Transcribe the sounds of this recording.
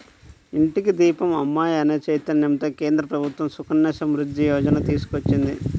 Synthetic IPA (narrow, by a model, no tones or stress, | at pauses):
iɳʈikid̪iːpɐmɐmːaːjɐneːt͡ʃejt̪ːɐnnemt̪oːkeːnd̪ɾɐpɾɐbʱut̪ʋɐmsukʰɐɳːɐːʃɐmɾud̪ːijɔːd͡ʒɐnɐt̪iːsu̥kʋɐt͡ʃːind̪ḭ